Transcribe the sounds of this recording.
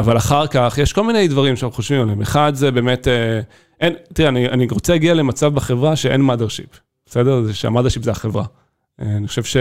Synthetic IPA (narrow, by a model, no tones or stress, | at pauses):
avalaχaʁkaχjeʃko̞lminejdvaʁimʃanχnuχoʃvimalemeχadzebe̞ːme̞te | ʔentiʁeanianiʁot͡selaɡiale̞mat͡savbeχevʁaʃeʔenmadeʁʃḭp | b̥esedezeʃea̰madeʃipzeaχevʁa | eaniχoʃevʃe